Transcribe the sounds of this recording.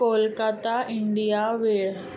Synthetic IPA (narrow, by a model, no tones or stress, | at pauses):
olkat̪aiɳɖijaʋeɭ